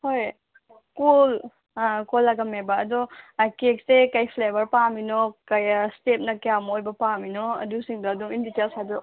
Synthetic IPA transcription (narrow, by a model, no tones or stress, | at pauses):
hoj | kol | akɔlːaɡɐmebɐːd̪ɔkek̚sekɐjpʰlebɐɾpaminɔkɐjstep̚nɐkijamɐojbɐpaminɔɐ̰dusiŋdɐːd̪uŋinditasadɔ